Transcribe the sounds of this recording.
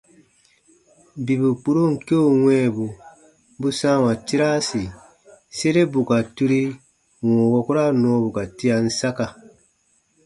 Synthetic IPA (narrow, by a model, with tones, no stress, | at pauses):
bi˨bu˨k͡pu˦ɾo˦ŋ̩˨ke˦o˦˨wɛ̃ː˦˨bu˨ | bu˦sãː˦wã˨ti˦ɾaː˦si˨ | se˦ɾe˦bu˨ka˨tu˦ɾi˦ | wɔ̃ː˨wɔ˧ku˦ɾa˦nɔ̃ː˦bu˨ka˨ti˦a˨n̩˦sa˦ka˨